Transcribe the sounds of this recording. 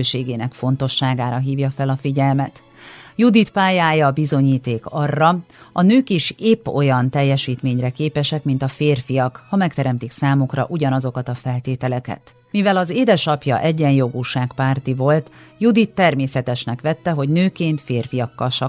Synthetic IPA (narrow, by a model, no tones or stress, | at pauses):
ʃeːɡeːnɛkfo̞nt̪o̞ʃːaːɡaːɾɒɦiːvjɒfɛlɒfiɟɛlmɛt̪ | jud̪it̪paːjaːjɒbizo̞ɲiːt̪eːkɒrːɒ | ɒnøːkiʃepːo̞̰jɒnt̪ɛjːɛʃiːt̪meːɲrɛkeːpɛʃɛkmint̪ɒfeːrfijɒkhɒmɛk̚t̪ɛɾɛmt̪iksaːmukrɒ̰ʔuɟɒnɒzo̞kɒt̪ɒfɛlt̪eːt̪ɛlɛkɛ̰t̪ | mivɛlɒzeːd̪ɛʃɒpjɒ̰ʔɛɟːɛnjo̞ɡuːʃaːkpaːrt̪ivo̞lt̪jud̪it̪ːɛrmeːsɛt̪ɛʃnɛkʋɛt̪ːɛɦo̞ɟnøːkeːnt̪feːrfijɒkːɒlʃɒ